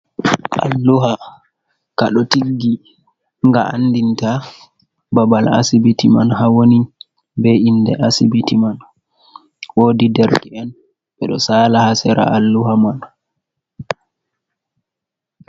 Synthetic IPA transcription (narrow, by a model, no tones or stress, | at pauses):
ʔa̰lːuɦa | kaɗɔtiɡːi | ŋɡaa̰ndinta | babala̰sibitimanhawoni | bɛindɛʔasibitiman | woːdidɛɾdɛɛn | ɓɛɗɔsaːlahasɛɾa̰ʔalːuhaman